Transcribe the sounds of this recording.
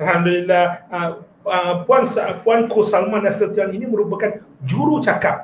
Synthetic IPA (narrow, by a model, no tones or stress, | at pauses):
alhamdulilːah | əpuanspuankosalmãnasilt̪ianinĩmə̃ɾubakand͡ʒuɾut͡ʃakap̚